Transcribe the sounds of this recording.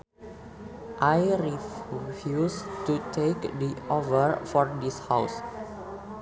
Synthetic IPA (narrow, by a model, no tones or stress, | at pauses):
ʔajɾiffjustutʰekdiɔvəɹfɔɹdishaws